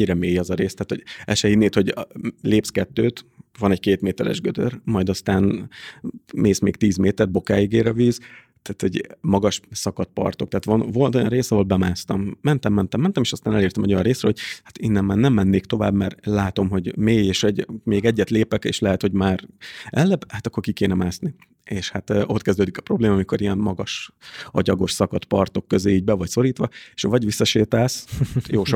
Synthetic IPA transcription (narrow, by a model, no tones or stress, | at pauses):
ɲːiɾɛmeːjɒzɒɾeːst̪aːt̪ho̰ɟɛ̰ʃɛjid̪neːt̪ho̞ɟleːpskɛt̪ːøːt̪vɒnɛɟkeːt̪meːt̪ɛɾɛ̰ʒɡød̪ø̰rmɒjd̪ɒst̪aːn | meːsmeːkt̪iːzmeːt̪ɛrd̪bo̞kaːjiɡeːɾɛviːz | t̪aːt̪hoɟmɒɡɒʃsɒkɒt̪̚pɒ̰rt̪o̞k̚t̪ɛaːt̪ʋɒnvo̞lt̪o̞jɒ̰nreːsɒɦo̞lbɛmaːst̪ɒmːɛnt̪ɛmːɛnt̪ɛmɛnt̪ɛmeːʃɒst̪aːnɛleːrt̪ɛmɛo̞jɒ̰nreːsrɛho̞ɟ̥̚hḁt̪inːɛmːaːrnɛmːɛnːeːkt̪o̞va̰ːbmɛrlaːt̪o̞mɦo̞ɟmeːjeːʃoɟmeːɡɛɟːɛt̪leːpɛkḛːʃlɛɦɛt̪ho̞ɟmaːrɛlːɛbhat̪ɒkːo̞rkikeːnɛmaːsni | eːʃhat̪ːo̞t̪kɛzd̪øːd̪ikɒ̥pro̞bleːmɑːmiko̞ɾijɛnmɒɡɒʃɒ̰ɟɒɡo̞ʃsɒkɒt̪pɒrt̪o̞kːøzeːiːɟbɛvɒcso̞ɾiːt̪ʋɒeʃvɒɟʋisːɒʃeːt̪aːsjoːʃ